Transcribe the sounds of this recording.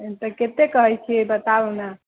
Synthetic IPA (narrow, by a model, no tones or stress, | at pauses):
et̪əket̪ekəɦɛjt͡ʃʰiebət̪auna